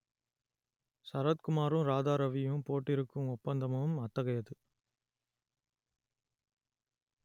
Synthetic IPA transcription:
sɐɾɐt̪̚kʊmaːɾɯ̃mɾaːðaːɾɐʋɪjɯ̃mpoːʈːɪɾɯkːɯmɔpːɐnd̪ɐmɐʋɯmɐt̪ːɐɣɐjɐðɯ

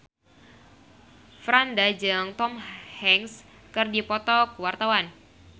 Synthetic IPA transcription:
fɾandad͡ʒɨŋt̪ɔmhɛŋs | kɨrdipɔt̪ɔkəwart̪awan

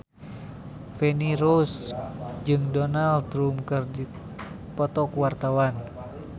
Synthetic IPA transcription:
fɛniɾosd͡ʒɨŋdɔnalt̪ɾumkɨrdi | pɔt̪ɔkwart̪awan

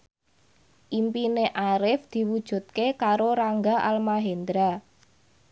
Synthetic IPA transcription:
ʔimpineʔaɾɪfd̪̥i̤wud̥ʒ̥ṳt̪̚kekaɾoɾaŋɡaʔalmaɦend̪ɾa

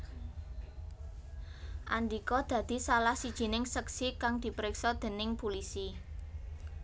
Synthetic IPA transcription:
ʔa̰nd̪ikɔd̪̥ä̤d̪̥i̤salahsid̥ʒ̥i̤nɪŋsəksikaŋd̪̥i̤pɾɪksɔd̪̥e̤nɪŋpulisi

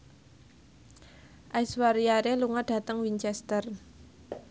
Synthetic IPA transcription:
ʔajswaɾiaɾeluŋad̥ä̤t̪əŋwiɲt͡ʃɛst̪ər

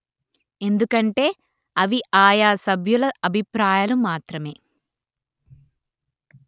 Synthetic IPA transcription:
e̞nd̪ukɐɳʈe̞ː | ɐʋiaːjaːsɐbʱjulɐɐbʱipɾaːjaːlumaːt̪ɾɐme̞ː

